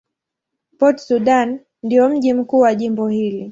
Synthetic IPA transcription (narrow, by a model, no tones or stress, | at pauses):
pɔtsuɗan | ndijɔm̩ʄim̩kuːwaʄimbɔhili